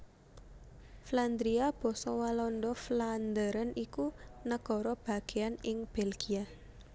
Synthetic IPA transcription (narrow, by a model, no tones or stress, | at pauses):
fland̪ɾiab̥ɔ̤sɔwalɔndɔfland̪əɾənikunəɡ̥ɔ̤ɾɔb̥a̤ɡ̥eanɪŋb̥elɡ̥ia